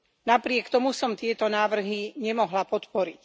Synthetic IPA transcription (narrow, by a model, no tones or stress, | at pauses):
napɾɪɛkt̪ɔmusɔmt̪ɪɛt̪ɔnaːʋr̩ɦiɲɛmɔɦlapɔt̪pɔɾic